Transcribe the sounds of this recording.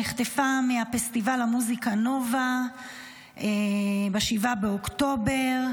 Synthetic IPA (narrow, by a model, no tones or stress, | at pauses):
iχt̪efameafest̪ivalamuzikano̞va | ʔebeʃivabeokt̪o̞be̞ʁ